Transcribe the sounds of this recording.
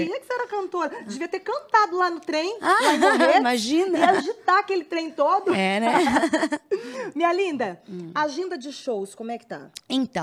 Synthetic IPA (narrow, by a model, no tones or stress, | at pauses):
ĩɐkɪ̥seɛɾɐkɐ̃nt̪oɾd͡ʒɪviɐt̪eɾkɐ̃nt̪ad̪ʊlanʊt̪ɾẽj̃alãaẽimaʒĩnɐiaʒit̪aɐkelɪt̪ɾẽj̃t̪od̪ʊɛnɛ | mĩɲɐlĩnd̪ɐaʒĩnd̪ɐd͡ʒɪʃowskõmʊɛkɪ̥t̪ɐ̰̃ẽt̪ɐ̃